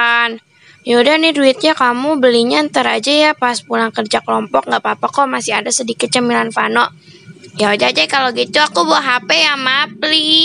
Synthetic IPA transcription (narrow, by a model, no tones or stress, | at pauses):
an | jodanɪduɪt̪̚ɲakamubəliɲant̪əɾad͡ʒajapaspulaŋkərd͡ʒakəlɔmpɔk̚ŋɡaʔpapakomasiɦadasədikɪt̪̚t͡ʃəmilanfanɔ | jaod͡ʒad͡ʒakaloɡit̪uakubuaɦapejamapli